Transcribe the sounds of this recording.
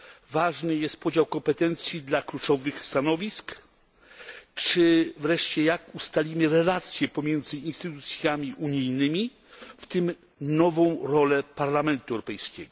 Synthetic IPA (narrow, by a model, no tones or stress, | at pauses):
vaʐnɘjɛst̪̚pɔd͡ʑawkɔmpɛt̪ɛnt̪sʲjid̪laklut͡ʂɔvɘxst̪anɔvʲisk | t͡ʂɘvɾɛʂt͡ɕɛjakust̪alʲimɘɾɛlat̪sʲjɛpɔmʲjɛnd̪zɘinst̪ɘt̪ut̪sʲjamʲiʔuɲijnɘmʲi | ft̪ɘm | nɔvɔ̃w̃ɾɔlɛpaɾlamɛnt̪uɛwɾɔpɛjskʲɛɡɔ